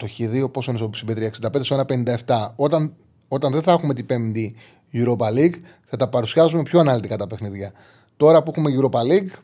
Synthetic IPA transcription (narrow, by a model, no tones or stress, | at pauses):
t̪o̞çiðio̞po̞sonisopi̥simbet̪ɾiɐeksind̪ɐped̪eoenɐpe̞nind̪ɐe̞ft̪ɐot̪ɐn | o̞t̪ɐnðe̞nθɐexume̞t̪ipemd̪i | ʝuɾopɐliɡ | θɐt̪ɐpɐɾusiɐzume̞pço̞ɐnɐlit̪ikɐt̪ɐpexniðʝɐ | t̪o̞ɾɐpuexume̞ʝuɾo̞pɐliɡ